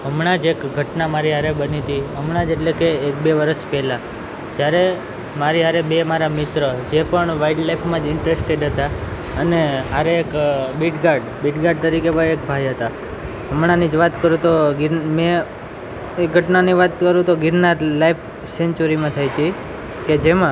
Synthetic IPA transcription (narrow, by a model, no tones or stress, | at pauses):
ɦəmɳad͡ʒekɡʱəʈnamaɾiɦaɾebənit̪iɦəmɳãd͡ʒeʈlekeːk̚beʋəɾəʃpɛla | d͡ʒjaɾe | maɾiɦaɾebemaɾamɪt̪ɾəd͡ʒepəɳʋaiʈlajpʰmãd͡ʒɪɳʈɾesʈeɖɦət̪a | əneɦaɾeːkbiʈɡaɾɖbiʈɡaɾɖ̚t̪əɾikebəek̚bʱajɦət̪a | ɦəmɽ̃anid͡ʒʋat̪kəɾũt̪oɡɪɾmɛ̃ | ek̚ɡʱəʈnaniʋat̪kəɾũt̪oɡɪɾnaɾlaipʰ | sent͡ʃuɾimãt̪ʰajt͡ʃʰi | ked͡ʒemã